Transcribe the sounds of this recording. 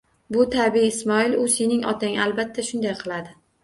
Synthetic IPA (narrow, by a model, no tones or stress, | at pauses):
bʊt̪ʰabiɪsmɒɪlʊse̞nɪŋɒ̰t̪ʰaŋalˠbat̪ʰːaʃʊnd̪ajqʰɨlˠad̪ɪ